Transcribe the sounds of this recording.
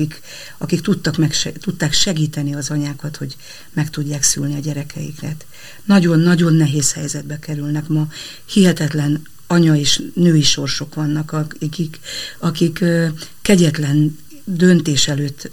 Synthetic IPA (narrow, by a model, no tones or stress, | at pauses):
ik | ɒkikt̪ut̪ːɒkmɛkʃɛt̪ut̪ːaːkʃɛɡiːt̪ɛniɒzɒɲaːkɒt̪ho̞ɟ | mɛkt̪uɟːaːksy̰lniɒɟɛɾɛkʰɛjḭkɾɛt̪ | nɒɟo̞nːɒɟo̞nːɛɦeːshɛjzɛd̪̚bɛkɛɾylnɛkmɒ | hiɦɛt̪ɛt̪lɛn | ɒɲɒeːʃnøːiʃo̞rʃo̞kʋɒnːɒkkikɒkikː | ɛɟɛt̪lɛn | d̪ønt̪eːʃɛløːt̪ː